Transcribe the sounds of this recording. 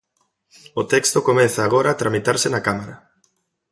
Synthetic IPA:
ot̪ɛkst̪okomẽnθaːɣ̞oɾaːt̪ɾamit̪aɾsenakamaɾɐ

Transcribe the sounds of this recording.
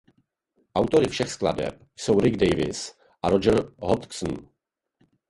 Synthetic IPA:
ʔawt̪o̞ɾɪfʃɛxskla̰dɛ̰p̚ | jsowɾɪɡdɛjvɪ̰s | ʔaɾod͡ʒɛɾɦot̪ksn̩

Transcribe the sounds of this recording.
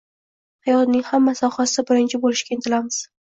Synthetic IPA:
hajɒt̪nɪŋhamːasɒhasɪɪbɪɾɪnt͡ʃʰɪbolɪʃkʲaɪnt̪ʰɪlamɪz̥

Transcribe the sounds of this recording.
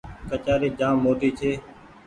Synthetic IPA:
kət͡ʃaːɾiːd͡ʒãːmːoːʈiːt͡ʃʰeː

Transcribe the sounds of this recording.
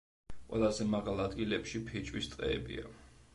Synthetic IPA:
qʼwɛ̰lˠazɛmaʁalˠad̪ɡilɛpʃipʰit͡ʃʼwist̪sʼqʼɛ̰ːbḭa

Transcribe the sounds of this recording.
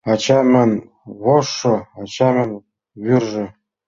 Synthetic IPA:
ɑt͡ɕɑmɘn | βoʂːɤɑt͡ɕɑmɘ̆n | βyrʒɘ̆

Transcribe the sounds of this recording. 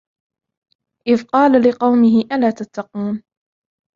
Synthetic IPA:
ʔɪvqɑːlalɪqɑwmɪɦɪʔalaːt̪at̪ːɑquːn

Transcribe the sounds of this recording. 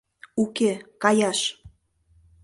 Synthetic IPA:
ukekɑjɑʃ

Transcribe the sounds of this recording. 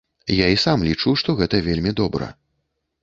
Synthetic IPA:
jaisamlʲit͡ʂuʂt̪ɔɣɛt̪ɐvʲelʲmʲid̪ɔbɾɐ̰

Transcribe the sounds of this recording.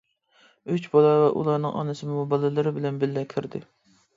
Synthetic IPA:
yt͡ʃbɑlˠɑvɛʔṵlˠɑɾnɨŋʔɑ̰nɨsɨmmubɑlˠɨlˠɨɾɪbɪlɛnbɪlːɛkʲʰɪɾd̪ɪ

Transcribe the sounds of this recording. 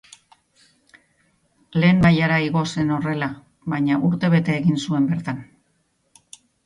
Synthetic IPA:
le̞ːmmajaɾaiɣo̞se̞no̞re̞la | βajɲaʔuɾt̪e̞β̞e̞t̪e̞ːɣinsue̞mbe̞ɾt̪an

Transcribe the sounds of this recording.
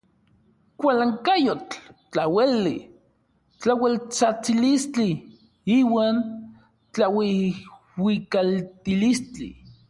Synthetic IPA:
kʷalaŋkajot͡ɬt͡ɬːawelːi | t͡ɬawelt͡sat͡silist͡ɬi | iːwaːn | t͡ɬawe | wikalt̪ilist͡ɬḭ

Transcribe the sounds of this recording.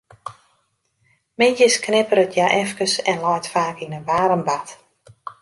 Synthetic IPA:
mɪnjəsknɪpəɾətʰjaʔɛfkəsɛnlajtfaːkinənʋaːɾəmbat

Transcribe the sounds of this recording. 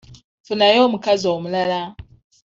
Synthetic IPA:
tunajomukaziomulala

